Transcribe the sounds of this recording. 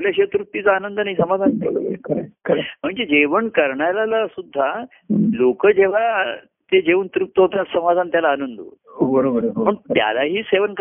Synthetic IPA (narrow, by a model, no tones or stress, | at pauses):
ljaɕet̪ɾut̪ːit͡saanənd̪ənaɦisəmad̪ʱan̰kəɾkəm̤əɳd͡zed͡ʑeʋəɳkəɾɳalalasud̪ʱːa | lokəd͡ʑeʋ̤a | t̪ed͡ʑeʋuːnt̪ɾup̚t̪əɦot̪jat̪səmad͡z̪ʱant̪jalaːnənd̪ṵ | ɦobəɾobəɾpəɳt̪ja̰laɦiːseʋənk